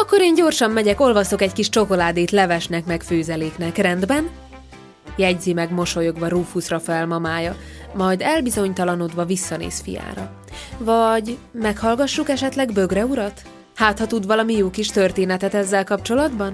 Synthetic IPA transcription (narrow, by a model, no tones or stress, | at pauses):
ɒkːo̞ɾeːɲɟo̞rʃɒmːɛɟɛko̞lvɒso̞kɛckiʃt͡ʃo̞ko̞laːd̪eːt̪lɛvɛʃnɛkmɛkføːzɛleːknɛkrɛnd̪bɛn | jɛɟzimɛɡmo̞ʃo̞jo̞ɡʋɒɾufusrɒfɛlmɒmaːjɒmɒjd̪ɛlbizo̞ɲt̪ɒlɒnod̪ʋɒvisːɒnḛːsfḭja̰ːɾɒ | vɒɟmɛkhɒlɡɒʃːukɛʃɛt̪lɛɡbø̞ɡrɛuɾɒt̪ | haːt̪hɒt̪uːd̪vɒlɒmijoːkiʃt̪ø̞rt̪eːnɛt̪ɛt̪ɛzːɛlkɒpt͡ʃo̞lɒd̪bɒn